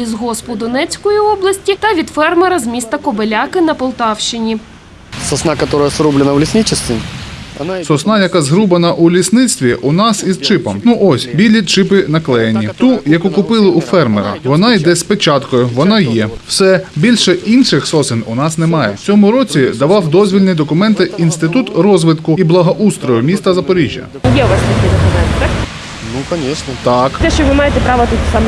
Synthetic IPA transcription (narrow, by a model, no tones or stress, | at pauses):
izɦɔspʊd̪ɔnɛt͡sʲkɔjiɔblˠɐsʲtʲit̪ɐʋʲid̪fɛrmeɾɐzmʲist̪ɐkɔbelʲakɪnɐpɔlˠt̪ɑwʃt͡ʃɪnʲi | sɔsnakɐt̪oɾʊjəsɾublʲɪnəʋlʲɪsʲnʲit͡ʃɪst̪ʋʲɪ | sɔsnɑjɐkɑzɦɾubɐnɐʔulʲisnɪt͡ssʲt̪ʲʋʲiʔʊnɑsizt͡ʃɪpɐmnuʔɔsʲbʲilʲit͡ʃɪpɪnɐklˠɛjɐnʲːit̪ujɐkukʊpɪlˠɪʔufɛrmḛɾɐ̰ʋɔnɑid̪ɛspet͡ʃɑt̪kɔjʊʋɔnɑjɛw̥sɛbʲilʲʃɛinʃɪxsɔsɪnʊnɑsnɛmɑjɛ̰t͡sʲɔmʊɾɔt͡sʲid̪ɐʋɑwd̪ɔzʲʋʲilʲnɪd̪ɔkʊmɛnt̪ɪinst̪ɪt̪ut̪rɔzʋɪt̪kʊiblˠɐɦɐʔust̪ɾɔjʊmʲist̪ɐzɐpɔɾʲiʒʲjɐ̰jɛʊʋɑst̪ʲɐkʲid̪ɔkʊmɛnt̪ɪ | nukɐʂnɐt̪ɑkt̪ɛʃt͡ʃɔʋɪmɑjet̪ɛpɾɑʋɐt̪ut̪sɑm